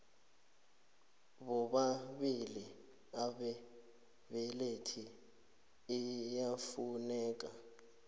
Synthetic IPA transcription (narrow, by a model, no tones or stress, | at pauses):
βɔɓaβili | aɓɛ | βɛletʰiː | jafunɛːk̬ʼa